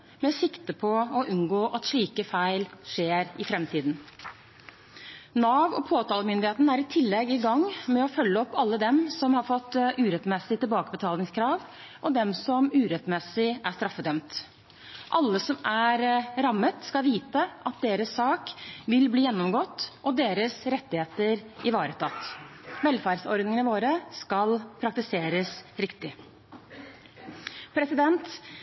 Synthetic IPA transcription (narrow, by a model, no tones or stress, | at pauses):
mɛsɪkt̪əpʰɔɔʔʉnɡoːʔɑt̪ʂɭiːkəfæɪlʂeːɾɪfɾɛmt̪ʰiːd̪n | nɑːʋɔpʰoːt̪ɑːləmʏnd̪ɪheːt̪n̩æɾɪt̪ʰɪlːɛɡɪɡɑŋːmɛɔfœlːəɔpːɑlːəd̪ɛmsɔmhɑɾfɔt̪ːʉːɾɛt̪mɛsɪt̪ɪlbɑːkəbət̪ʰɑːlnɪŋskʰɾɑːʋ | ʔɔd̪ɛmsɔmʉːɾɛt̪mɛsɪæʂt̪ɾɑfːəd̪œmt̪ | ʔɑlːəsɔmæɾɾɑmːət̪skɑlʋiːt̪əʔɑt̪̚d̪eːɾəsːɑːkʋɪlbliːjɛnːɔmɡɔt̪ːʔɔd̪eːɾəsɾɛt̪ːɪheːt̪əɾʔɪʋɑːɾət̪ʰɑt̪ʋɛlfæːɾsɔɾd̪nɪŋənəʋoːɾəskɑlpʰɾɑk̚t̪ɪseːɾəsɾɪkt̪ɪ | pʰɾɛsɪd̪ɛnt̪